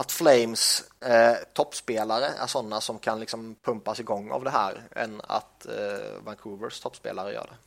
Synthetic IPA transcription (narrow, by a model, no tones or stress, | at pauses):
at̪flɛɪms | t̪ʰɔpːspeːlaɾəʔæ̰ʂɔnːasɔmkʰanlɪksɔmpʰɵmpasɪɡɔŋːa̰vd̪ɛɦæːɾɛ̰na̰t̪vaŋkʰuːvəɾst̪ʰɔpːspḛːlaɾəjœ̰ːɖɛ